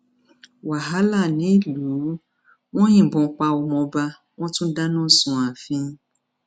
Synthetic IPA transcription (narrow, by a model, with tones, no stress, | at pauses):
wa˨ɦa˦la˦˨nĩ˨˦lu˨˦ | w̃ɔ̃˦jĩ˨bɔ̃˨k͡pa˧ɔ˧˨mɔ̃˧ba˧ | w̃ɔ̃˦tũ˦da˦nɔ̃˦˨sũ˨a˨fĩ˦